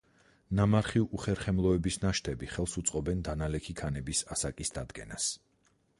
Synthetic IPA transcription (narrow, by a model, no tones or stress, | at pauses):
namaɾχiuʔuχɛɾχɛmlˠɔɛbisnaʃt̪ʰɛbiχɛlˠsut̪sʼqʼɔbɛnd̪analɛkʰikʰanɛbisasakʼisd̪ad̪ɡɛ̰nas